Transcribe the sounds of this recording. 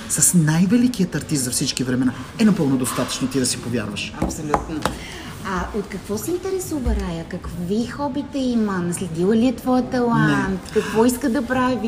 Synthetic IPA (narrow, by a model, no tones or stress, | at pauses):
sɐsnajvɛlikijət̪ɐɾt̪ist̪zɐfsit͡ʃkivɾɛmɛna | ɛnɐpɤlˠnod̪ost̪at̪ə̥t͡ʃnot̪id̪ɐsipovʲja̰ɾvəʃɐpsolʲut̪no | aot̪kɐkvɔsɛint̪ɛɾɛsuvɐɾajəkɐkvixɔbit̪ɛimənɐslɛd̪ilˠəliɛt̪vɔjət̪ɐlˠaɛnt̪kɐkvɔiskəd̪ɐpɾavʲi